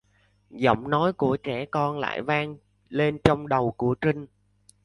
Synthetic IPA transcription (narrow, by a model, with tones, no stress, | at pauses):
zɔ̰˧˩wŋ͡mnɔ˨˦jku˧˩ət͡ɕɛ˧˩kɔ˧nla̰ː˧˨jvaː˧ŋ | le˧nt͡ɕɔ˧wŋ͡mɗə˨˩wku˧˩ət͡ɕï˧ŋ̟